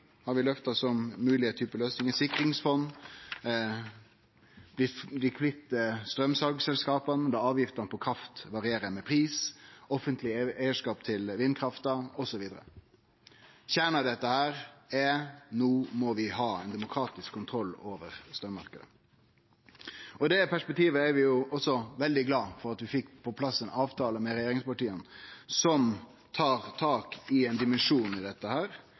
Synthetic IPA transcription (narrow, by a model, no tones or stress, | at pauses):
hɑɾʋɪlœft̪ɑsɔmːʉːlɪət̪ʰyːpəløːsnɪŋəsɪkɾɪŋsfɔnː | b̥lɪlɪkʰflɪt̪ːəst̪ɾœmsɑɡsɛlskɑːpɑnəd̪ɑɑːʋjɪft̪ɑnəpʰɔkʰɾɑft̪ʋɑʁɪeːɾəmɛpʰɾiːsɔfənt̪lɪɛɪəʂkɑːpt̪ʰɪlʋɪnkʰɾɑft̪ɑɔsɔʋiːd̪əɾə̰ | çæːɳəd̪ɛt̪ːəhæːɾɛnuːmɔʋɪɦɑːɛ̰ɪnd̪ɛmʊkʰɾɑːt̪ɪskʰːʊnt̪ʰɾɔlːoːʋəʁst̪œːmɑ̰ɾkəd̪ə̰ | ɔd̪ɛpʰæʂpɛkt̪ʰiːʋəɛɾʋɪjʊʔɔsɔʋɛld̪ɪɡlɑːfɔɾɑt̪ʋɪfɪkːpʰɔpʰlɑsːɛnɑːʋt̪ʰɑːləmɛɾɛjeːɾɪŋspɑʈiːənsɔm | t̪ʰɑːʁt̪ʰɑːkɪɛnd̪ɪmɛnʂuːnɪd̪ɛt̪ːəhæːɾ